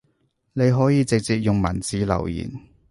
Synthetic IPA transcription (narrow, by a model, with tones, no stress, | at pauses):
ne˨˧jɦɔː˨˥jiː˨˧t͡sɪ˨k̚t͡siː˨k̚jʊ˨ŋmɐ̰˨˩nt͡siː˨˥lɐ̰˨˩wjḭː˨˩n